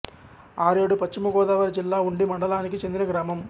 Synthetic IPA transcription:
aːɾeːɽupɐt͡ʃːimɐɡɔːd̪aːʋɐɾd͡ʒilːaːuɳɖimɐɳɖɐlaːnikit͡ʃend̪inɐɡɾaːmɐm

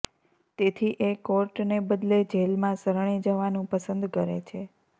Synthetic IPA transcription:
t̪et̪ʰiʔekoɾʈnebəd̪led͡ʒelmãsəɾɳ̃id͡ʒəʋanũpəsə̃nd̪kəɾḛt͡ʃʰe

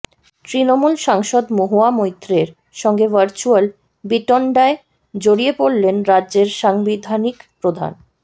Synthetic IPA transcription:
t̪ɾinomulʃaŋʃod̪moɦoamojt̪ːɾeɾ | ʃɔŋɡevəɾt͡ɕual | biʈɔɳɖae | d͡ʑoɽiepoɽlenɾadʑeɾʃaŋbid̪ʱanikpɾod̪ʱa̰n

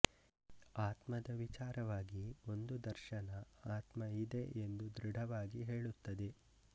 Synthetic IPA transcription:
aːt̪mɐd̪ɐʋit͡ʃaːɾɐʋaːɡio̞nd̪ud̪ɐɾʃɐnɐaːt̪mɐid̪eʔend̪ud̪ɾiɖʱɐʋaːɡiɦeːɭut̪ːɐd̪e

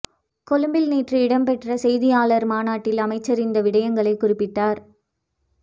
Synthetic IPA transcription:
kɔlɯmbɪlniːʈrɯɪɽɐmpɛʈrɐsɛjðɪjaːɭɐɾmaːnaːʈːɪlɐmɐɪt͡ʃːɐɾɪnd̪ɐʋɪɽɐjɐŋɡɐɭɐɪkːʊrɪpːɪʈːaːɾ

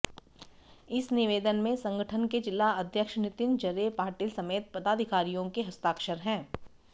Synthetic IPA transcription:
ɪsnɪʋeːd̪ənmẽsɐ̃ŋɡəʈʰənked͡ʒɪlːaɐd̪ʱjəkʃnɪt̪ɪnd͡ʒɐɾepaːɾʈiːlsɐmeːt̪̚pɐd̪aːd̪ʱɪkaːɾijõkeɦɐst̪aːkʃəɾɦɛ̃ː

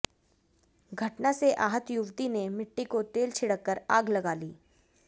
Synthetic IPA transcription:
ɡʱɐʈnaseʔaːɦət̪jʊʋt̪inemɪʈːikot̪eːlt͡ʃʰɪɽəkːəɾaːɡlɐɡaːliː

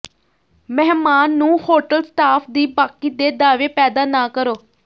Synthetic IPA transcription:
mɛːmaːnːũːhoːʈəlsʈ̪aːpʰd̪iːbaːkiːd̪eːd̪aːʋeːpɛːd̪aːnaːkəɾoː

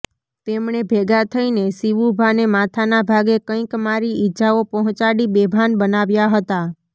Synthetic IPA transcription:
t̪emɳebʱeɡat̪ʰəinesiʋubʱanemat̪ʰanabʱaɡekə̃ĩkmaɾiid͡ʒaopɔɦɔ̃t͡ʃaɽibebʱanbənaʋjaɦət̪a

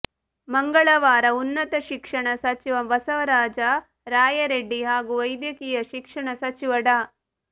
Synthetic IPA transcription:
mɐŋɡɐɭɐʋaːɾɐunːɐt̪ɐʃikʂɐɳɐsɐt͡ʃiʋɐʋɐsɐʋɐɾaːd͡ʒɐ | ɾaːjɐɾeɖːiɦaːɡuʋɐjd̪jɐkiːjɐʃikʂɐɳɐsɐt͡ʃiʋɐɽa

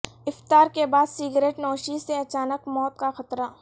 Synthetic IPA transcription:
ɪft̪aːɾkebaːd̪siːɡɾeːʈnɔːʃiseɐt͡ʃaːnəkmɔːt̪̚kaxɐt̪ɾaː

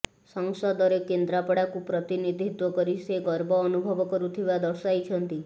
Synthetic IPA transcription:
sɔŋsɔd̪ɔɾekend̪ɾapɔɽakupɾɔt̪inid̪ʱit̪wɔkɔɾiseɡɔɾbɔːnubʱɔbɔkɔɾut̪ʰibad̪ɔɾsajt͡ʃʰɔnt̪i

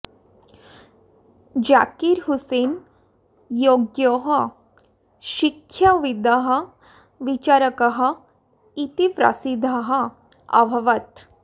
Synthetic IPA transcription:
d͡ʑakiɾɦuseːn | joɡjoɦɐ | ʃikʰjaʋid̪əɦɐ̆ | ʋit͡ʃaɾəkɐɦɐ̆ | it̪ipɾɐ̰sid̪ʱəɦɐ | ɐ̰bʱɐʋɐt̪

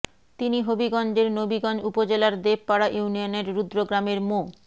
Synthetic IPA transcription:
t̪iniɦobiɡɔnd͡ʑeɾnobiɡɔnd͡ʑupod͡ʑelaɾd̪eb̚paɾaʔuunioneɾɾud̪ɾoɡɾameɾmo

